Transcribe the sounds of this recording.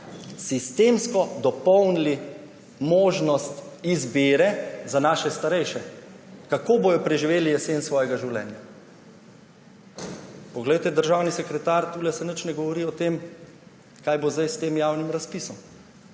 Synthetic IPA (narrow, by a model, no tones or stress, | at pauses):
sist̪eːmskɔd̪ɔpɔwnili | moːʒnɔst̪izbeːɾɛzanaːʃɛst̪aɾɛjʃɛ | kakoːboːjɔpɾɛʒiʋeːlijɛseːnsʋɔːjɛɡaʒiwlɛ̰nja | pɔɡlɛjt̪ɛd̪əɾʒaːwnisɛkɾɛt̪aɾt̪uːlɛsɛnət͡ʃnɛɡɔʋɔɾiɔt̪em | kaːjbozd̪ajst̪eːmjaːwnimɾaspisɔm